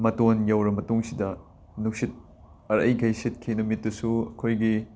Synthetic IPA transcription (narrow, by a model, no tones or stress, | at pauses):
mɐtonjɐwɾɐmɐtuŋsidɐ | nuk̚sit̚ | ɐɾɐ̰jɡʰʱɐjset̚kʰinumitːɐsuɐkʰojɡi